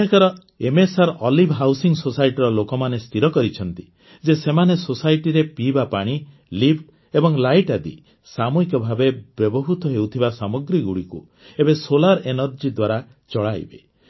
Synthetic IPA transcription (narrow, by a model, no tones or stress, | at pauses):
ɦekʰɔɾɔ | emesaɾʔɔlibʱɦawsiŋsosajʈiɾɔlokɔmanest̪ʰiɾɔkɔɾit͡ʃʰɔn̪t̪i̥ | d͡ʒesemanesosajʈiɾepibapaɽ̃i | lipʰʈ | ebɔŋlajʈad̪ḭ | samuɦikɔbʱabebjɔbɔɦut̪ɔɦewt̪ʰibasamɔɡɾiɡuɽiku | ebesolaɾenɔɾd͡ʒid̪waɾa | t͡ʃɔɭaj̰be